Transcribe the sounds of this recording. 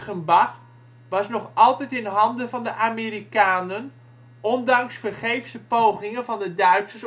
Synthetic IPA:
ənbax | ʋɑsnɔχɑlˠtɛtɪnɦɑndəvɑndəʔamiɾikaːnən | ʔɔndɑŋsfərχejfsəpowχɪŋənvɔndədœɥsəs

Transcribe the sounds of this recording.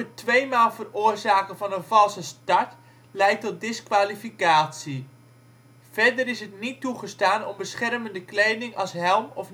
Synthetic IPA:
ətʋejmaːlˠvərʊːrzaːkəvɑnənvɑlˠsəstɑɹt | lɛjtɔt̚dɪskʋaːlifikaːtsi | v̥ɛɹdəɾɪsɦətnituχəstaːnɔmbəsχɛrməndəklejdɪŋʔɑlˠsɦɛlˠmɔf

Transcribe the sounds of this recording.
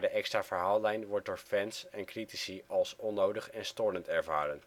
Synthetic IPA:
dəʔɛkstraːvəɹɦaːlˠlɛjnʋɔɹt̚dʊːɹfɛnsɛnkritisiɑlˠsɔnːowdəχɛnstɔɹləntɛɹvaːɾən

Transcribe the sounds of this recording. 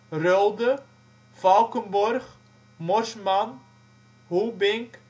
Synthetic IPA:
rølˠdə | falˠkənbɔrχ | mɔrsman | ɦubɪŋk

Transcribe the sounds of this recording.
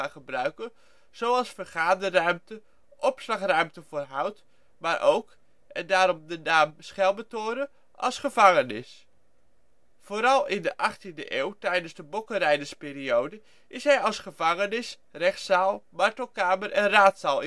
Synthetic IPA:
aχəbrœɥkə | z̥owɑlˠsfərχaːdərœɥmtə | ʔɔpslɑχrœɥmtəvoːɹɦɑwt | maːɾʔowk | ʔɛndaːɾɔmdənaːmsχɛlˠmətoːɾə | ʔɑ̰lˠsχəvɑŋənɪ̰s | foːɾɑlˠɪndəʔɑχtində̰ʔeːwtɛjdənzdəbɔkəɾɛjdəspɪːɾiowdə | ʔɪsɦɛjɑlˠsχəvɑŋənɪs | rɛχtsaːlˠmɑɹtəlˠkaːməɾʔɛnraːtsaːlˠɪ

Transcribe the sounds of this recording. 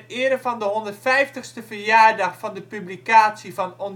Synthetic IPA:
ɪəɾəfɔndəɦondərtfɛjftəxstəfərjaːɹdɑxfɔndəpyblikaːtsifɔnon

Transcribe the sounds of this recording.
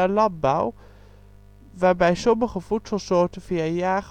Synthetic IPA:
ɛlɑt̚bɑʊ | vaːbæɪsoməχəfutsɑlˠsoːtəfiːjaːʁ

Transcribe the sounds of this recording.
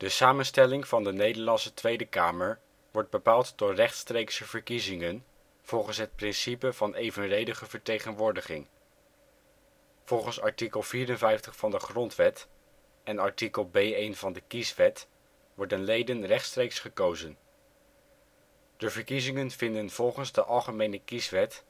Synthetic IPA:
d̥əsaːmənstɛlɪŋv̥ɑndənejdəɹlɑnsətʋejdəkaːməɹ | ʋɔɹd̚bəpaːlˠtdʊːɹrɛχtstrejksəv̥əɹkizɪŋən | v̥ɔlˠχənsɦət̚prɪnsipəv̥ɑnejvənrejdəχəvəɹtejχənʋʊːɹdəχɪ̰ŋ | v̥ɔlˠχənsɑɹtikəlˠviːɾənvɛjftəχfɑndəχrɔntʋɛt | ɛnɑɹtikəlˠbejejnvɑndəkisʋɛt | ʋɔɹdənlejdənrɛχtstrejksχəkowzən | d̥əvəɹkizɪŋənvɪndənv̥ɔlˠχənzdəʔɑlˠχəmejnəkisʋɛt

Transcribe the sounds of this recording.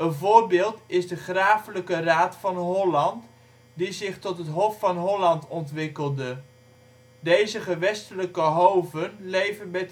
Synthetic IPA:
ənvʊːɹbɪːlˠtɪzdəχraːfələkəraːtfɑnɦɔlɑnt | dizɪχtɔtɦətɦɔfːɑnɦɔlɑntɔntʋɪkəlˠdə | dejzəχəʋɛstələkəɦowvənlejvənmɛt

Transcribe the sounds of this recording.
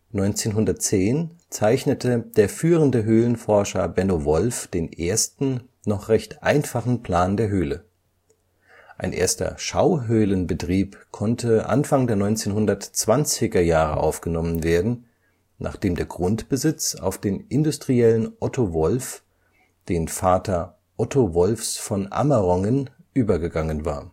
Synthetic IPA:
nɔʏnt͡seːnɦʊndɐt̚t͡seːnt͡saɪçnətʰəd̥eːɐfyːʁəndəɦøːlənfɔɐʃɐbɛnoːvɔlfd̥eːnʔeːɐstn̩ | nɔχʁ̥ɛçtʔa̰ɪnfaχn̩pl̥aːndeːɐɦøːlə | ʔaɪnʔḛːɐstɐ̰ʃaʊɦøːlənbətʁ̥iːpkʰɔntʰəʔa̰nfaŋdeːɐnɔʏnt͡seːnɦʊndɐtt͡sv̥ant͡sɪɡɐjaːʁə̰ʔa̰ʊfɡ̥ənɔmənveːɐdn̩ | nʔa̰ːχd̥eːmdeːɐɡʁʊntb̥əzɪt͡sa̰ʊfd̥eːnʔɪndʊstʁ̥iɛlənʔɔtʰovɔlf | d̥eːnfaːtʰɐ | ʔɔtʰovɔlfsfɔnʔa̰mɐʁɔŋən | ʔyːbɐɡəɡaŋənva̰ːɐ

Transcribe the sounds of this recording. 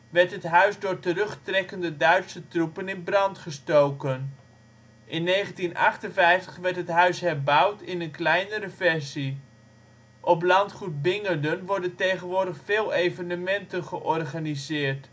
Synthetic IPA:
ʋɛɹtɦətɦœɥzdʊːɹtərɵχtrɛkəndədœɥtsətrupənɪnbrɑntχəstowkən | ʔɪnːejχəntinɑ̰χtənvɛjftə̥χʋɛɹtɦətɦœɥsɦɛrbɑwtʰɪnənklɛjnəɾəfɛɹsi | ʔɔplɑntχut̚bɪŋədənʋɔɹdəntejχənʋʊːɹdəχfɪːlˠejvənəmɛntənχəʔɔrχanizɪːrt

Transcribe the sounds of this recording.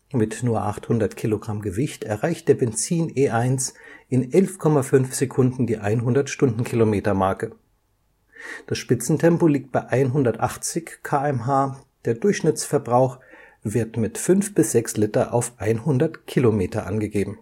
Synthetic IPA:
mɪtnuːɐʔa̰χthʊndɐtkʰiloɡʁamɡəvɪçtɛɐʁaɪçt̚d̥eːɐbɛnt͡siːneːʔaɪnsʔɪnʔɛlfkʰɔmafʏnfz̥ekʰʊndn̩diːʔaɪnɦʊndɐtʃtʊndn̩kʰilomeːtɐmaɐkə | d̥asʃpɪt͡sn̩tʰɛmpoliːk̚t̚b̥aɪʔaɪnɦʊndɐtʔaχt͡sɪçkʰaːɛmɦaː | d̥eːɐdʊɐçʃnɪt͡sfɛɐbʁaʊx | v̥ɪɐtmɪtfʏnfb̥ɪsz̥ɛkslɪtɐʔa̰ʊfʔaɪnhʊndɐtkʰilomeːtɐʔa̰nɡəɡeːbm̩

